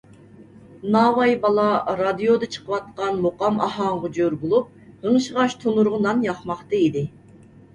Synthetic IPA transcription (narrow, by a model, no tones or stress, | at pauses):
nɑːwɑjbɑlˠɑɾɑd̪ijod̪ɨt͡ʃʰə̥qʰəwɑt̪̚qɑnmoqɑmɑ̰hɑɴʁɑd͡ʒøɾbolˠup̚həɴʃəʁɑʃt̪ʰonuɾʁənɑnjɑχmɑχt̪ɑid̪ɪ